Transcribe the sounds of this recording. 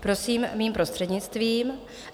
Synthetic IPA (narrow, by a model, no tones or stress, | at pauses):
pɾo̞siːmmiːmpɾo̞st̪r̥ɛdɲɪt͡st̪viːm